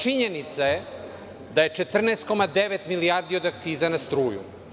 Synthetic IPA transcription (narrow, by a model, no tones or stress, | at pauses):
t͡ʃiɲenit̪saje | d̪aje̞t͡ʂet̪r̩nest̪̚ko̞mad̪eʋet̪milijaɾd̪io̞d̪ak̚t̪siːzanast̪ɾuːjṵ